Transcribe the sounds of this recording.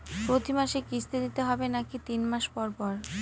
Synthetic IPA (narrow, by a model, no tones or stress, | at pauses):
pɾot̪ʰimaʃekisʰt̪ed̪it̪eɦɔbenakit̪inmaʃpɔɾpɔɾ